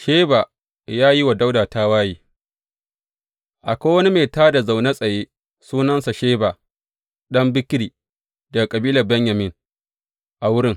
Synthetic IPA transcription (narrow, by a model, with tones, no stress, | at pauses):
ʃeː˦baː˨ | jaː˦ji˦wa˨da˦wdaː˨ta˦waː˦jiː˨ | ʔa˨kʷoː˦wɐ˦ni˦meː˨taː˦da˨za˨wna˦sʼɐ˨jeː˦ | suː˦nɐ˦nsa˨ʃeː˦ba˨ | ɗɐ˦mbɪ˦kɾiː˨ | dɐ˨ɡa˨kʼɐ˨biː˦lɐ˨bɛ˦ɲja˨mɪ˦ŋ | ʔa˨wʊ˦ɽɪ˦ŋ